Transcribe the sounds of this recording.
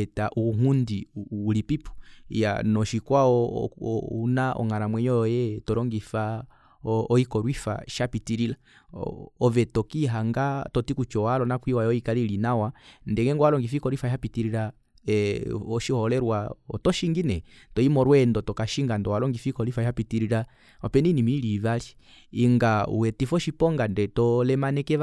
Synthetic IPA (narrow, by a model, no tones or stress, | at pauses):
ɛtaʔuŋundiːlipipu̥ja̰nɔʃikwaɔ̰ | unaʔɔ̰ŋaɾamwɛɲɔɔjɛtɔɾɔŋɡifa | ɔikɔɾwifa̰ʃapitiɾila | ɔvɛtɔkiɦaŋɡatɔtikut͡ʃɔwalɔnakwiwajɔikalilinawandɛŋɛŋɡɔwalɔŋɡifikɔɾwifahapitiɾila | ɔʃihɔlɛɾwaɔtɔʃiŋɡinɛtɔimɔɾwɛndɔtɔkaʃiŋɡandɔwalɔŋɡifikɔlifahapitiɾiɾa | ɔpɛninimilivaliː | ŋɡaṵwɛtifɔʃipɔŋɡandɛtɔlɛmanɛkɛ